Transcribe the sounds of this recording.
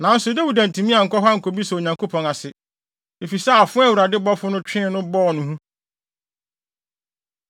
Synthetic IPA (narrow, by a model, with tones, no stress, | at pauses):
nã˨˦n̩˦sʊ˨dɛ˦wu˨dã˨n˨tʰĩ˨mĩ˦a˨ŋ̩˨kɔ˦ɦa˦ŋ̩˨kʰo˨bi˦sɛ˨o˨ɲã˨ŋko˦pʰɔ̃˨ŋa˨sɪ˨ | e˨fi˨sɛ˦a˨fʊ̃˦ɛ˦˨wu˨ɾa˨dɪ˦bɔ˦fʊ˦nʊ̃˦t͡ɕᶣɪ̃˦nʊ̃˦bɔː˦˨nʊ̃˨ɦũ˦